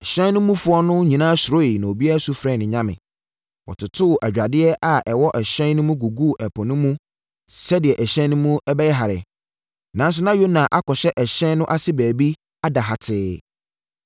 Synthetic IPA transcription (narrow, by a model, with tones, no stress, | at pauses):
ɛ˨ɕɛ̃˦nʊ̃˦mũ˦fʊ˦ɔ˦nʊ̃˦ɲĩ˨nã˦sʊ˨ɾo˦i˨nã˨o˨bi˦a˦˨su˦fɾɛ̃˦˨nɪ̃˨ɲã˦mɪ̰̃˨ | wɔ̰˨tʰʊ˨tʰʊ˦˨ʔæ˨d͡ʑᶣa˨dɪ˦ɛ˦ʔa˨ʔɛ˨wɔ˦ʔɛ˨ɕɛ̃˦n˦nʊ̃˦mũ˦ɡu˨ɡu˦˨ʔɛ˨pʰɔ̃˨nʊ̃˦mũ˦ | sɛ˦dɪ˨ɛ˨ʔɛ˨ɕɛ̃˦nʊ̃˦mũ˦ɛ˦bɛ˦jɛ˦ɦa˨ɾɪ̰˨ | nã˦n˦s̬ʊ˦nã˦jo˦nã˨ʔa˦kʰɔ˨ɕɛ˦ʔɛ˨ɕɛ̃˦nnʊ̃˦ʔa˦sɪ˦bæː˨bi˦ | a˦da˨ɦa˨tʰɪː˦